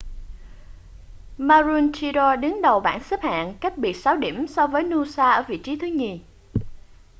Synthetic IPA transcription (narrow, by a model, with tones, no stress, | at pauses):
maː˧zu˧nt͡ɕi˧ɾɔ˧ɗɨ˨˦ŋɗə˨˩wɓa̰ː˧˩˨nsɨ˦˥p̚ha̰ː˧˨nka˦˥jk̚ɓi˨˩ət̚saː˨˦wɗḭ˧˩əmsɔ˧vəː˨˦jnu˧saː˧ʔəː˧˩vḭ˧˨t͡ɕi˨˦t̪ʰɨ˨˦ŋi˨˩